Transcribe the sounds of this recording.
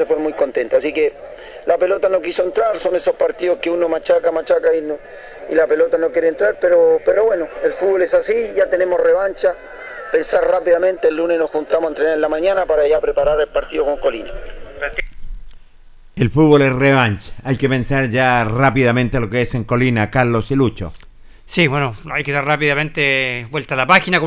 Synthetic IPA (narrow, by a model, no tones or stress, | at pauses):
sefweɾmujko̞nt̪ent̪as̬ike | lape̞lot̪ano̞kisoent̪ɾaɾso̞nesospaɾt̪iðoskeunomat͡ʃakamat͡ʃakaino | ḭlapelot̪anokjeɾent̪ɾaɾpeɾopeɾoβwenoelfud̪βolesasiʝat̪ene̞mo̞sreβant͡ʃa | pe̞nsaɾrapiðament̪eːlːunenosxunt̪amosant̪ɾenaɾelamaɲanapaɾaʝapɾepaɾaɾelpaɾt̪iðokoŋkolinapat̪ | elfud̪̚βo̞lesreβant͡ʃḁajkepe̞nsaɾʝarapiðament̪ealokeeseŋko̞linakaɾlo̞silut͡ʃo̰ | sibwenoajkeðaɾrapiðamẽnt̪ebwelt̪alapaxinako